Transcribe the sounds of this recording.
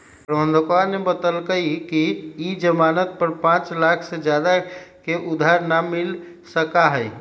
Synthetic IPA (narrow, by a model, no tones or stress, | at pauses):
pɾəbənd̪ʱəkaɾnebət̪əlkəjkiid͡ʒəmanət̪̚pəɾpãt͡ʃlakʰsed͡ʒjad̪akeʔud̪ʱaɾnamil | səkaɦəj